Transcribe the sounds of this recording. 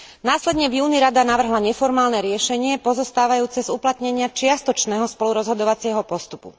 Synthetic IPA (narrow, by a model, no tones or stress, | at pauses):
naːslɛd̪ɲɛvjuːniɾad̪anaʋr̩ɦlaɲɛfɔɾmaːlnɛɾɪɛʃɛɲɪɛpɔzɔst̪aːʋajuːt͡sɛzuplat̪ɲɛɲɪat͡ʃɪast̪ɔt͡ʃnɛːɦɔspɔluɾɔzɦɔd̪ɔʋat͡sɪɛɦɔpɔst̪upṵ